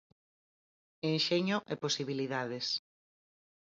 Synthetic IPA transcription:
enʃeɲʊʔeposiβiliðaðes

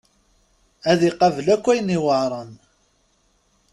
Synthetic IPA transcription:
æðiqːɑvəlækʷːæjniwəʕɾˤən

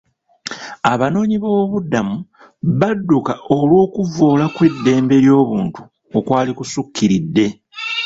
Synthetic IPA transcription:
aβano̞ːɲiβoːβudːamu | βadːukaʔo̞lwo̞ːkuvo̞ːlakwe̞dːe̞ːmbe̞ɾjo̞ːβuːntu̥ | okwaːlikusukːiɾidːe̞

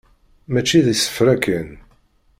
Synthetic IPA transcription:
mæt͡ʃːiðisə̥fɾækən

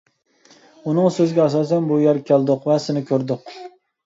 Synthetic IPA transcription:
unɨŋsøzɡʲɛɑs̬ɑːsɛnbujɛɾkʲʰælˠd̪ʊqvɛsɪnɪkʲʰøɾd̪ʊq

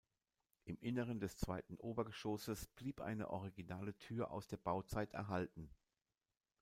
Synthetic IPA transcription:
ʔɪmʔɪnəʁ̞əndɛst͡sv̥aɪtn̩ʔoːbɐɡəʃoːsəsb̥liːpʔa̰ɪnə̰ʔɔʁ̞iɡinaːlətʰyːɐʔa̰ʊsd̥eːɐbaʊt͡saɪtɛ̰ɐɦaltn̩

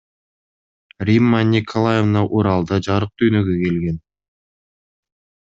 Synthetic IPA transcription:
rʲimːanʲikʰolˠajevnɑʔuɾɑlˠd̪ɑd͡ʒɑɾɯq̚t̪ʰyːnøɡøke̞lɡe̞n

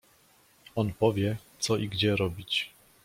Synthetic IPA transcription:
ɔnpɔvʲjɛt̪sɔʔiɡd͡ʑɛɾɔbʲit͡ɕ

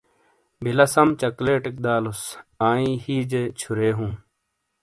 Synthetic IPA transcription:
bʱilɐsɐmt͡ɕɐkleːʈik̚d̪aːlusaːĩːhiːd͡ʑet͡ɕʰuɾeːɦũː

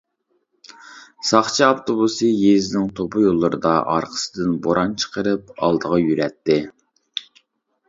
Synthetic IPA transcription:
sɑχt͡ʃʰiɑft̪ʰobusɨjezɪnɪŋt̪ʰopʰʊjolˠːɨɾɨd̪ɑʔɑ̰ɾqʰə̥sɨd̪ɪnboɾʔɑnt͡ʃʰə̥qəɾɨpɑ̰lˠd̪əʁɑjyɾɛt̪ːɪ

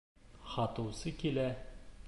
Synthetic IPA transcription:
χɒt̪ɤ̆wsɤkilæ

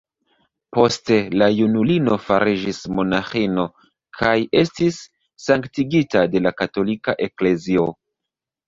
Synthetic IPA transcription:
po̞ste̞lajunulino̞faɾid͡ʒismo̞naxino̞ | kʰaje̞stisː | aŋktiɡitade̞lakato̞likaʔe̞kle̞zio̞

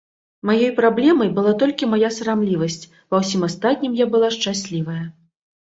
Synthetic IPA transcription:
majɔjpɾablʲɛmɐjbɨlˠat̪ɔlʲkʲimajasɐɾamlʲivɐsʲt͡sʲ | pɐwsʲimast̪at̪ʲnʲimjabɨlˠaʂt͡ʂasʲlʲivɐjɐ

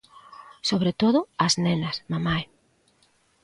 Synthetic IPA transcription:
soβɾet̪oðʊɐznenɐsmamaj

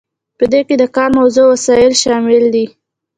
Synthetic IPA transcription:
pəd̪eked̪əkɑɾmawzəwasɑjɪlʃɑmɪld̪i

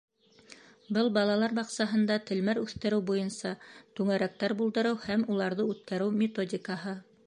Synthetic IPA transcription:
bɤlˠbɑlˠɑlˠɑɾbɑqsɑɦɤ̆nd̪ɑt̪ɘ̆lmæɾʉθt̪ɘ̆ɾɘwbujɤnsɑt̪ʉŋɘ̆ɾæk̚t̪æɾbulˠd̪ɤ̆ɾɤwhæmulˠɑɾðɤʉt̪kæɾɘwmʲɪt̪odʲɪkɑɦɤ

